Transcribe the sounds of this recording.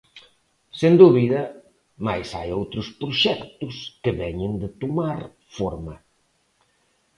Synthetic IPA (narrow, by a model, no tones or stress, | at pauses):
send̪uβiðɐ | majsa̰jowt̪ɾʊspɾoʃɛkt̪ʊskɪβɛɲɪnd̪ɪt̪omaɾ | foɾmɐ